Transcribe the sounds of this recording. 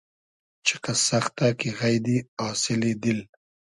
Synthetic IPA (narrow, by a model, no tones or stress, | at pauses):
t͡ʃɪ̥kasaxt̪akiɣajd̪iɑːsɪlid̪ɪl